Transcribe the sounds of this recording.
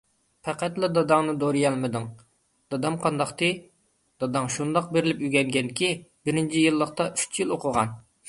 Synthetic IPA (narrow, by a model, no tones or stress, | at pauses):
pʰæqæt̪lˠɨd̪ɑd̪ɑŋnɨd̪oɾɨjɛlˠmɨd̪ɨŋ | d̪̥ɑd̪ɑmqʰɑnd̪ɑχt̪ʰɨ | d̪ɑd̪ɑŋʃund̪ɑq̚beɾɪlɪpyɡʲɛŋɡʲɛnd̪ɪkʲibɪɾɪnt͡ʃʰijɨlˠːəqt̪ɑʔyt͡ʃʰjilˠoqʰʊʁɑ̰n